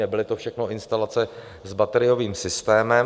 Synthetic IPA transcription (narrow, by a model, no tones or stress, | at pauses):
ɛbɪlɪt̪ofʃɛxno̞ʔɪnst̪alat͡sɛ | zbat̪ɛɾɪjo̞viːmsɪst̪ɛːmɛm